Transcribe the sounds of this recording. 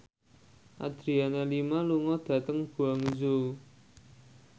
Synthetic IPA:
ʔa̰d̪̥ɾianelimaluŋɔd̪̥ä̤t̪əŋb̥uaŋd͡ʒu

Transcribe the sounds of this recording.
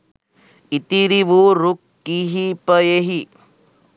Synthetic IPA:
it̪iɾiʋuɾukːiɦipəjeɦi

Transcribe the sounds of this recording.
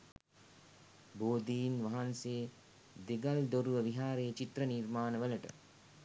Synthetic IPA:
boːd̪iːnʋaɦansej | d̪eɡald̪oɾuʋəʋiɦaːɾejət͡ʃit̪ɾəniɾmaːnəʋələʈə̰

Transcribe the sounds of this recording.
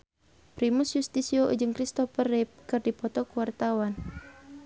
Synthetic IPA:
pɾimusjust̪isioʔd͡ʒɨŋkɾist̪ɔfərɛp̚kɨrdipɔt̪ɔkuwart̪awan

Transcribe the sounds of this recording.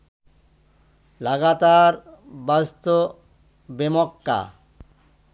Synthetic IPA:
laɡat̪aɾbast̪o | bemɔkːa̰

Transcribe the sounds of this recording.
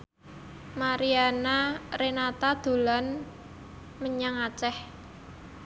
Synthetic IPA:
maɾianarenat̪ad̪̥o̤lan | məɲaŋat͡ʃɛh

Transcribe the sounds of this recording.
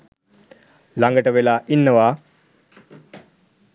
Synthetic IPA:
laŋɡəʈəʋelaːʔinːəʋaː

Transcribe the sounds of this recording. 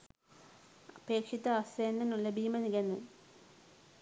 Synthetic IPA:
ɐpe̞ːkʂit̪ːɐɐseːnd̪ɐnulːɐbʱiːmɐniɣenːɨ

